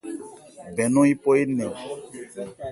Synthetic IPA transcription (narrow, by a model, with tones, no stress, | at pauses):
bɛ̃˨nɔ̃˦i˦po˦e˦nẽ˨